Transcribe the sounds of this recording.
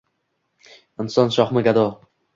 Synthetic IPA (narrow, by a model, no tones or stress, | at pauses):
ɪnsɒnʃɒχmɪɡad̪ɒ